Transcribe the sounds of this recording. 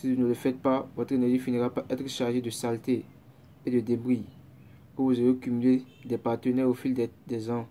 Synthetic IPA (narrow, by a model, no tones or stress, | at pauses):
siunələfɛt̪̚pavɔt̪ɾenɛʒifiniʁapaʔɛt̪ɾəʃaʁʒed̪əsalt̪e | ed̪əd̪ebɾi | kəvuzeekymyled̪ɛpaʁt̪ənɛʁofild̪ɛzɑ̃